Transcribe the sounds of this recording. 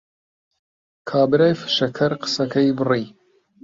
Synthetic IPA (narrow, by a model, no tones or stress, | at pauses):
kʰaːbɨɾaːjfɨ̥ʃɐkʰɐɾqɨ̥sɐkʰɐjbɨriː